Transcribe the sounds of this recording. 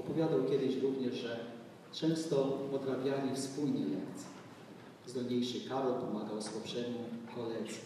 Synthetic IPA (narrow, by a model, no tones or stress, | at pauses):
ɔpɔvʲjad̪awkʲjɛd̪ɘɕɾuvɲɛʐʐɛ | t͡ʂɛ̃w̃st̪ɔpɔt̪ɾabʲjalʲifspulɲɛlɛ̰kt̪sʲjɛ̥ | zɡ̪ɔd̪ɲejʂɘkaɾɔlpɔmaɡawswapʂɛmukɔlɛʂu̥